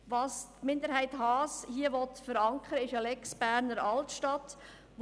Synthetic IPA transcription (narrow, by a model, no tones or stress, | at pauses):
ʋɑːstmɪnd̪əɾhæɪthɑːshiəʋɔtfəɾɑŋkʰχəɾəɪʃɑlɛksb̥æːɾnəɾɑltʃtɑt | ʋ